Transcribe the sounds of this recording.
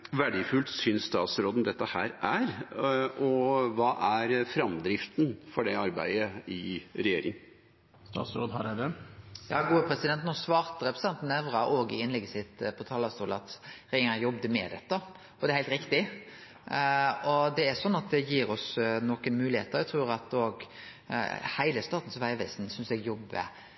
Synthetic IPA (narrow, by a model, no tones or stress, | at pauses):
ʋæɖɪfʉlt̪sʏnsst̪ɑ̰ːt̪sɾoːd̪n̩d̪ɛt̪ːəhæːɾæɾ | ɔʋɑːʔæɾfɾɑmd̪ɾɪft̪nfɔɖɛɑɾbæ̰ɪəɪɾɛjeːɾɪŋ | st̪ɑ̰ːt̪sɾoːd̪hæɾæɖɛjɑ̰ːɡuːəpʰɾɛsɪd̪ɛnt̪nɔsʋɑːʁt̪əɾɛpɾɛsɛnt̪nɛʋɾɑʔoːɡə̰ɪnlɛɡːəsɪt̪pʰɔt̪ʰɑːlɑst̪uːlɑt̪ɾɛŋɑjɔbd̪əmɛ̰d̪ɛt̪ːə | ɔd̪ɛæɾhæɪlt̪ɾɪkt̪ɪ | ɔd̪ɛæsɔnːɑt̪̚d̪ɛjiːɾɔsnɔkənmʉːlɪhḛːt̪əɾɛɡt̪ʰɾʉːɾɑt̪oːɡ | hæɪləst̪ɑːt̪n̩sɔʋæɪʋæɪsn̩sʏnsɛɡjɔbːə̰